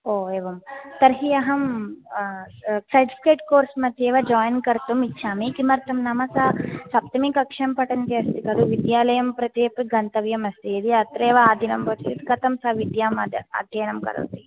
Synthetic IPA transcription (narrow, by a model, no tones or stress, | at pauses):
oːeːʋɐmt̪ɐɾɦijɐɦɐm | sɐʈi̥pʰi̥keːʈkoːɾsmɐt̪ːieːʋɐd͡ʒaːjnkɐɾt̪umitːʃʰaːmikimɐɾt̪ɐmnɐmɐsasɐp̚t̪ɐmikɐkʂɐmpɐʈɐnt̪iɐst̪ikɐd̪uʋid̪jaːlɐjɐmpɾɐt̪eːpiɡɐnt̪ɐʋjɐmɐst̪iːd̪iɐt̪ɾeːʋɐaːd̪ʱinɐmpɐt͡ʃt͡ʃ̪it̪kɐt̪ɐmsɐʋid̪jaːmɐd̪ɐ̰d̪ʱeːnɐmkɐ̰ɾɐ̰wt̪i